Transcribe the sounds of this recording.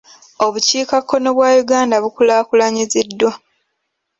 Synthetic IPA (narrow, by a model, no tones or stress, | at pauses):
o̞βuciːkakʰːo̞noβwaːjuɡaːndaβukulaːkulaɲizidːwa